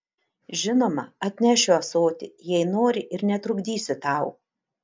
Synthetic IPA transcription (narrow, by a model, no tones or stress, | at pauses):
ʒʲɪnoːmɐɐt̪ʲnʲɛʃʲʊɐsoːt̪ʲɪ̰jɛɪnoːɾʲɪʔɪɾnʲɛt̪ɾʊɡd̪ʲiːsʲʊt̪ɑˑʊ